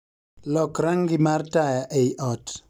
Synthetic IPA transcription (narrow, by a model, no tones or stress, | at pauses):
lɔkɾaŋɡɪmartajaʔejʔɔt